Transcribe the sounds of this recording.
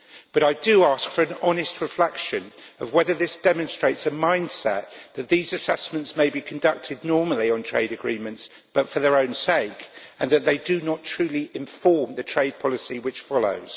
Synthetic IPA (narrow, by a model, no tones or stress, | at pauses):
b̥ʌɾaɪdəɑˑskfəɹə̃nɒnɪst̚ʰɹɪflɛkʃə̃nəvwɛðəðɪsd̥ɛmə̃nstɹ̥eɪtsəmãɪ̃nd̥sɛ̰tðɨʔ̪̚ðiːzəsɛsmə̃ntsmeɪbikʰə̃ndʌk̚tʰɪdⁿnɔːməliə̃ntʰɹ̥eɪɾɨɡɹĩːmə̃nts | b̥ʌtfəðəɹə̃ʊ̃nseɪkə̃nðəʔ̪̚ðeɪdənətʰɹ̥ʉːliʔɪ̃ɱfɔːmðɨtʰɹ̥eɪd̚pʰɒlɪsiwɪt͡ʃfɒlo̰ʊz̥